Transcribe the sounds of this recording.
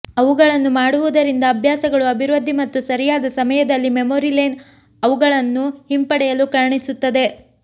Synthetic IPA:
ɐʋuɡɐɭɐnːumaːɽuʋud̪ɐɾind̪ɐːbʱjaːsɐɡɐɭuɐbʱiɾoːd̪ːimɐt̪ːusɐɾijaːd̪ɐsɐmɐjɐd̪ɐlːimemoːɾilen | ɐʋuɡɐɭɐnːuhimpɐɽɛjɐlukɐɾɐɳisut̪ːɐd̪e̞

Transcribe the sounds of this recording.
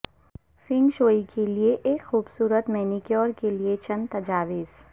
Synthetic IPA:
fɪ̃ŋɡʃoːikʰelieʔeːkxuːbsuːɾət̪mɛnikjɔːɾkeliet͡ʃɐ̃nt̪ɐd͡ʒaːʋɪz̥

